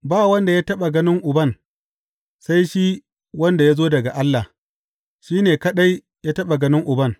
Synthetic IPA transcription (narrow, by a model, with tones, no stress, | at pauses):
baː˦˨wɐ˦nda˨jaː˦tɐ˦ɓa˨ɡɐ˦nɪ˦ŋʔʊ˨bɐ˦˨n | sa˦jʃi˦ | wɐ˦nda˨jaː˦zoː˦dɐ˨ɡa˨ʔa˦lːa˨h | ʃiː˦neː˨kɐ˦ɗa˦j | jaː˦tɐ˦ɓa˨ɡɐ˦nɪ˦ŋʔʊ˨bɐ˦˨ŋ